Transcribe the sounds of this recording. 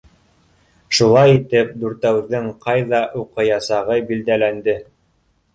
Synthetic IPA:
ʃulˠɑjit̪ɘp̚d̪ʉɾt̪æwðɘŋqɑjðɑʔuqɤjɑsɑʁɤbild̪ælænd̪ɘ

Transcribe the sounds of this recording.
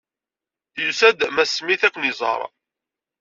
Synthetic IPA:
θjusæd̪mæsmiθækʷːənizˤɑ̰ɾˤ

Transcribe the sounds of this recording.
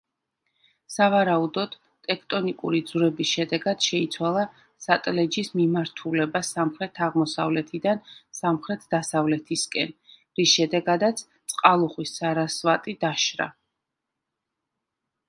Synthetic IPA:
savaɾaud̪ɔd̪̥ | t̪ʼɛkʰt̪ʼɔnikʼuɾid̪zɾɛbisʃɛd̪ɛɡad̪̥ʃɛit̪sʰwalˠa | sat̪ʼlɛd͡ʒismimaɾt̪ʰulɛbasamχɾɛt̪ʰaʁmɔsa̰vlɛt̪ʰid̪ansamχɾɛt̪ʰd̪̥asavlɛt̪ʰiskʼɛ̰n | ɾisʃɛd̪ɛɡad̪at̪sʰt̪sʼqʼalˠuχwisːaɾasvat̪ʼid̪aʃɾa̰

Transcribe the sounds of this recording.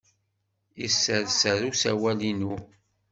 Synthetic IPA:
isːəɾsəɾusæwælinu

